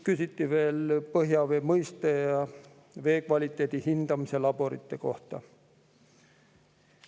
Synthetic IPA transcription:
kysit̪ˑːive̞ːlpɤɦjɑve̞ːmɤjst̪ejɑ | ve̞ːkvɑlʲit̪ːˑe̞ːd̪̥ihind̪̥ɑmise̞lɑb̥o̞ɾḭt̪ˑːe̞ko̞ht̪ɑ̰

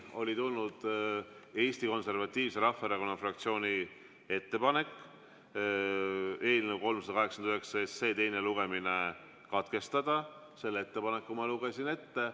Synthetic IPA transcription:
o̞lʲit̪ulnud̪̥ | e̞ːsʲt̪iko̞nse̞rvɑt̪ʲːˑiːvse̞ɾɑfɑeɾɑko̞nːɑfrɑkt̪sio̞ːnʲi | e̞t̪ːe̞pɑne̞kːˑ | e̞ːlnewko̞lmsɑd̪̥ɑkɑɦeksɑnd̪yɦe̞ksɑesse̞ːt̪e̞jne̞luɡ̥e̞mine̞ | kɑt̪ke̞st̪ɑd̪̥ɑ | se̞lːe̞t̪ːe̞pɑnekːumɑluɡ̥esine̞t̪ːe̞

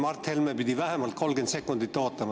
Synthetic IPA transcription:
mɑrt̪helmebid̪ivæɦemɑlt̪̚ko̞lɡent̪se̞kːˑund̪it̪ːo̞ːt̪ːˑɑmɑ

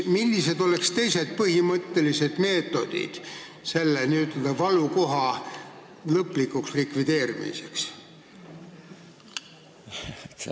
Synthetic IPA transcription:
milːise̞d̪̥o̞le̞kst̪e̞jse̞d̪̥̚pɤɦimɤt̪ːe̞lise̞d̪̥me̞ːt̪ːˑo̞d̪̥ḭd̪̥ | se̞lːeniyt̪ːˑɑd̪ɑvɑluko̞ɦɑ | lɤpˑːlikːukslikvid̪̥e̞ːɾimḭseks

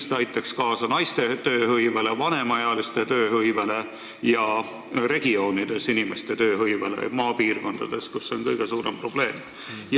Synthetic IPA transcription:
st̪ɑjt̪ːˑɑkskɑːsɑnɑjst̪e̞t̪ø̞ːhɤjvele̞vɑne̞mɑjɑlist̪e̞t̪øːhɤjvele̞ | jɑ | ɾe̞ɡ̥io̞ːnid̪̥e̞sinimest̪e̞t̪ø̞ːɦɤjvelḛmɑːpiːrko̞nd̪̥ɑd̪̥e̞skusːo̞nkɤjɡ̥e̞suːɾe̞mpro̞b̥le̞ːm | j

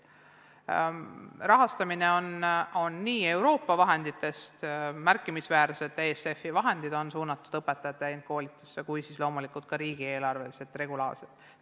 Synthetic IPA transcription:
rɑɦɑst̪ɑmine̞o̞no̞nːiːe̞wɾo̞ːpːɑvɑɦe̞nd̪̥it̪ːˑe̞st̪mærkːˑimisvæːɾse̞d̪ˑe̞ːse̞fːivɑɦe̞nd̪̥id̪o̞nsuːnɑt̪ːˑud̪̥ɤpːe̞t̪ːɑjɑt̪ːˑeent̪̚ko̞ːlit̪ːˑusːe̞kujsislo̞ːmulikult̪̚kɑɾiːɡ̥ie̞ːlɑrve̞lise̞t̪ːˑre̞ɡulɑ̰ːrset̪

